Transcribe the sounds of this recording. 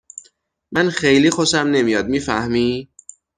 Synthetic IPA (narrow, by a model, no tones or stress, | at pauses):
mænxejliːxosæmne̞mijɒːd̪̚miːfæ̰hmiː